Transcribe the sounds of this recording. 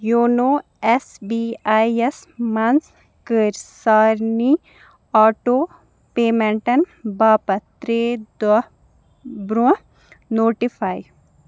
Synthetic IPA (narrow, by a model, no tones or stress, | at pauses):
joːnoː | ɛsbiːaːesmans | kəɾsaːɾni | aːʈoː | peːmɛ̃ɳʈɐnbaːpɐt̪ɾeːd̪ɐ | bɾuə | noːʈifʰaːj